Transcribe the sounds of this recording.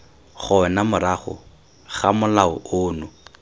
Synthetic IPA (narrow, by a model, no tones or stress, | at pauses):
χʊɛnamʊɾaχʊ̰ | χamʊlaʊʊːnʊ